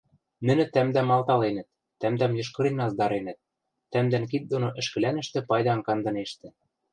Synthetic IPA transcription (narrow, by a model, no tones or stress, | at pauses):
nɘ̆nɘ̆t̪æmd̪æmɑlˠt̪ɑlenɘ̆t̪̚ːæmd̪æmjɤ̆ʃ̬kɤ̆ɾenɑzd̪ɑɾenɘ̆t̪̚ː | æmd̪ænkit̪̚d̪onoʔɘ̆ʃkɘ̆lænɘ̆ʃt̪ɘ̆pɑjd̪ɑŋkɑnd̪ɤ̆neʃt̪ɘ̆